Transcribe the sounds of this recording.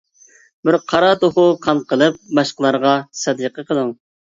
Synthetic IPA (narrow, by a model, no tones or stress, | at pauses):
bɪɾqʰɑɾɑt̪oχʊqʰɑnqʰəlˠɨp̚mɑʃqəlˠɑɾʁɑsɛd̪əqəqəlˠɨŋ